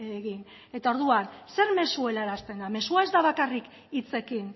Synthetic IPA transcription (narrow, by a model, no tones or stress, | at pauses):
eɣin | e̞t̪ao̞ɾðuanse̞ɾme̞sue̞laɾast̪e̞nd̪ame̞suae̞zd̪aβakarik | it͡se̞kin